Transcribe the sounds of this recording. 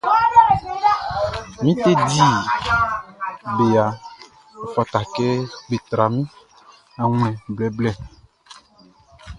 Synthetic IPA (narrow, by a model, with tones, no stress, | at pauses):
mĩ˦t̪e˦di˦ | be˨a˨ | o˨fɔ˨t̪a˨kɛ˦ɡ͡be˨t̪ɾa˨mĩ˦ | ã˨ŋ̃˦ɛ̃˨blɛ˦blɛ˦